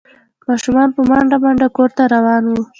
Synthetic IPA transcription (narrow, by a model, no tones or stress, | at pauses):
mɑʃumɑnpəmaɳɖamaɳɖakoɾt̪aɾawɑnwu